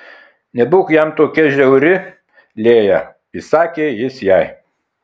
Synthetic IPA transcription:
nʲɛbʊkjɛmt̪oːkʲɛʒʲɛʊɾʲɪ | lʲeːjɛ | isɑːkʲeːjɪsjɛɪ

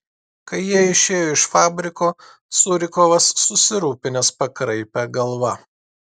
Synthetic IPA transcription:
kɐɪjiɛɪʃʲeːjoːɪʃfɑːbʲɾʲɪkoː | sʊɾʲɪkɔʋɐsːʊsʲɪɾuːpʲɪnʲɛspɐkɾɐɪpʲɛɡɐlˠʋɐ

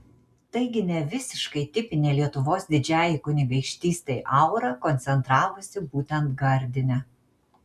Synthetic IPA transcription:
t̪ɐɪɡʲɪnʲɛʋʲɪsʲɪʃkɐɪt̪ʲɪpʲɪnʲeːlʲiɛt̪ʊʋoːsd̪ʲɪd͡ʒʲæːjɪkʊnʲɪɡɐɪkʃʲt̪ʲiːst̪ʲɐɪʔɐʊɾɐkɔnʲsʲɛnt̪ɾɑːʋʊsʲɪbuːt̪ʲɛnt̪ɡɐɾʲd̪ʲɪnʲɛ

